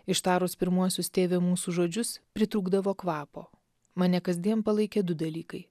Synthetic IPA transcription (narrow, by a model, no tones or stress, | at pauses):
ɪʃt̪ɑːɾoːspʲɪɾmuɔsʲʊst̪ʲeːʋʲemuːsuːʒoːd͡ʒʲʊspʲɾʲɪt̪ɾuːɡd̪ɐʋoːkʋɑːpo̰ː | mɐnʲɛkɐzʲd̪ʲiɛnpɐlˠɐɪkʲeːd̪ʊd̪ɐlʲiːkɐɪ